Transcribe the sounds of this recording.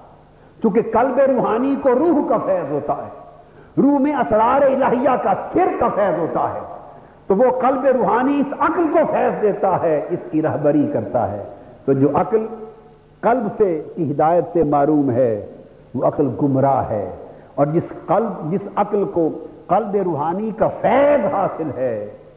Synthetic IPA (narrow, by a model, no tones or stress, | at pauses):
t͡ʃũːk̬eqɐlbeɾuːɦaːnikoɾuːɦkafɛːzɦoːt̪aɦɛː | ɾuːɦmẽɐsɾaːɾeɪlaːɦijakasɪɾk̪afɛːzɦoːt̪aɦɛ̰ː | t̪oʋoqɐlbeɾuːɦaːniɪsɐklkofʰɛːsd̪eːt̪aɦɛɪskiɾaːɦbəɾikɐɾt̪a̰ɦɛ̰ː | t̪od͡ʒoːʔɐkəl | qɐlbsekiɦɪd̪aːjət̪semaːɾuːmɦɛː | ʋoɐqəlɡʊmɾaɦɛ̰ː | ɔːɾd͡ʒɪsɐld͡ʒɪsɐkəlkoqɐlbeɾuːɦaːnikafɛːzɦaːsɪlɦɛː